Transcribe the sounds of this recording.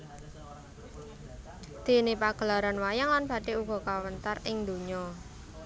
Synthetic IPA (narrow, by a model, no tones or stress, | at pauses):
d̪̥e̤nepaɡ̥əlaɾanwajaŋlanb̥a̤ɖeuɡ̥ɔ̤kawənt̪arɪŋd̪o̤ɲɔ